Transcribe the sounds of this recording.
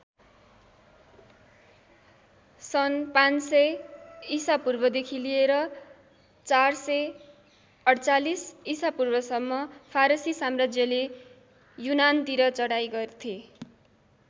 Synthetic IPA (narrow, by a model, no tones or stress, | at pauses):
sʌnpãnsʌjisapurbʌd̪ekʰilieɾʌ | t͡sarsʌj | ʌɽt͡salisisapurbʌsʌmːʌpʰaɾʌsisamrad͡zjʌle | junant̪iɾʌt͡sʌɽajɡʌrt̪ʰie